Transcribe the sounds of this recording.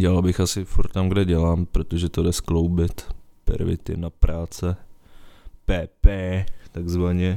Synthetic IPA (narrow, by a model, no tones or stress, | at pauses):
ɟɛlalbɪxasɪfuɾt̪t̪ːamɡdɛɟɛlaːmpɾot̪oʒɛt̪odɛsklowbɪt̪pɛ̰ɾvɪ̰t̪ɪ̰napɾʔaːt͡sɛ | pɛːpɛːt̪aɡzvaɲɛ